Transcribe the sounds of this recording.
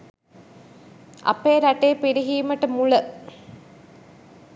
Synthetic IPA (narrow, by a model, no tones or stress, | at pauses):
ɐ̰pejːɾɐʈejːpiɾiɦiːməʈəmulə